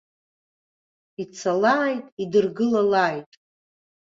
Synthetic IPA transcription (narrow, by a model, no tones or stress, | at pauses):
it͡sʰalaːjtʼidɨrɡɨlalaːjtʼ